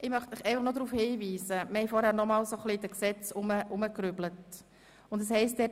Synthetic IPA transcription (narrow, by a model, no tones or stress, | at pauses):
ʔɪmœχtmɪχɛɪfəχnod̪ɾuːfhiːviːsəməhɛjfɔɾhæːɾnɔmɑːlsoχlidəksɛt͡sʊməʔʊməkɾyblət | ʊndəshɛɪst̚d̥̪ɛː